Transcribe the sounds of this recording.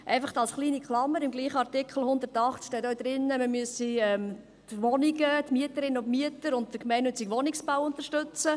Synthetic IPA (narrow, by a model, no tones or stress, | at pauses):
ʔɛɪfɑχt̪ɑlsχliːnikχlɑmːəɾɪmɡliːχəɑɾtɪkχəl̩hʊnd̪əɾtɑχtt͡skʃtɛːtœwd̪ɾɪnːəməmyəsiɛm | tʋɔniɡətmyətəɾɪnːʊntmyətəɾʊnt̚d̥əkmæɪnːʏt͡siɡʋɔnɪksb̥awʊnt̪əɾʃtʏt͡sə